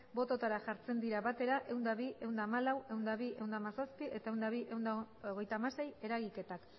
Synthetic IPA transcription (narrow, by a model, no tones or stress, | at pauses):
bo̞t̪o̞t̪aɾaʝaɾt͡se̞nd̪iɾaβat̪e̞ɾaʔe̞wnd̪aβiʔe̞wnd̪aːmalawe̞wnd̪aβie̞wnd̪amasospiʔe̞t̪ae̞wnd̪aβiʔe̞wnd̪aoɣ̞e̞jt̪amase̞je̞ɾaɣike̞t̪ak